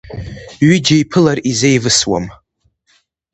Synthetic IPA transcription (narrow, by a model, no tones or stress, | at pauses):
ɥid͡ʒaipʰɨlarizejvɨswa̰m